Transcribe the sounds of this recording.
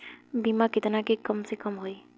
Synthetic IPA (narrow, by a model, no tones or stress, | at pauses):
bimakɪt̪nakekəmsekəmɦoi